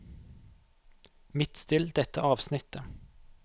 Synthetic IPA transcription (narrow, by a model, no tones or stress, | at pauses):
mɪt̪st̪ɪld̪ɛt̪əʔɑːʋsnɪt̪ə